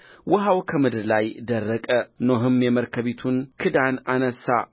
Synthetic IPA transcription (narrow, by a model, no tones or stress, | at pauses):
wʔʊɦawkʰəmɨd̪ɨɾlajd̪ərːəkʼənoɦɨmjɛməɾkʰəβit̪ʰunkʰɨd̪ananəsːa̰